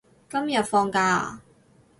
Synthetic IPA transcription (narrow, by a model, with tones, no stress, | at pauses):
kɐ˥mjɐ˨t̚fɔː˧ŋkaː˧